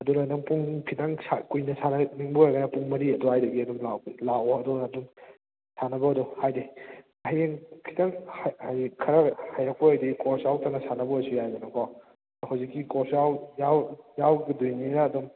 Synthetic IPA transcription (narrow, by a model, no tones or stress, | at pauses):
ɐdulanɐŋpuŋkʰitaŋsakujnɐsʰanɐniŋbujɡɐnɐpuŋmɐɾiɐdɔhajdɐɡiɐdumlalawɐdɔɐdum | sanɐbɐɐduhajde | hjeŋkʰi̥taŋhahajkʰɐɾɐhajɾɐk̚poajdikɔɾsjawtaŋnɐsanɐbɐasujajbɐnɐkʰaw | hawzikːikɔɾsjawjawjawɡidujninaːdum